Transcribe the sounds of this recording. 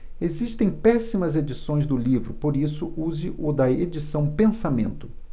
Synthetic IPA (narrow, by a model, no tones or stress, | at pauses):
eziʃt̪ẽj̃pɛsimɐzed͡ʒisõj̃zd̪ʊlivɾʊpoɾisʊʔuzɪʔʊd̪ɐed͡ʒisɐ̃w̃pẽsamẽnt̪ʊ